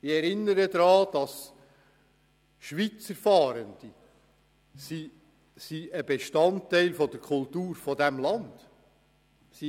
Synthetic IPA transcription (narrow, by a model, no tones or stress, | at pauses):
ɪɛɾɪnːəɾəd̪ɾɑːd̥ɑs | ʃʋit͡səɾfɑːɾənd̥i | si | siəbeʃtɑntːɛɪlfɔd̪əɾkʰʊlt̪uːɾfɔdæmlɑnd̥ | si